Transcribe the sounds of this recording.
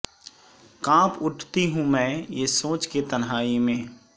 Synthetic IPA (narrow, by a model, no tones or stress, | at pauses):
kãːpʊʈʰt̪iɦũmɛ̃ːjesoːt͡ʃket̪ənɦaːimẽː